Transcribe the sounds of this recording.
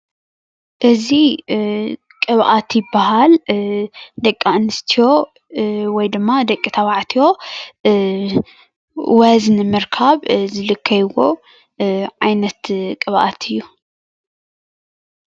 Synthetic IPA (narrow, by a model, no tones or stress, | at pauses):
ʔɨzi | kʼɨβʔat̪jɪbːaɦal | d̪ɐkʼːanɨst̪ʰijo̞ | wɔjd̪ɨmːad̪ɐkʼːit̪ʰɐβaʕt̪ʰijo̞ | wɐznɨmɨɾkʰaβzɨlɨkʰːɐjwo | ʕajnɐt̪kʼɨβʔa̰t̪ʰɨjːu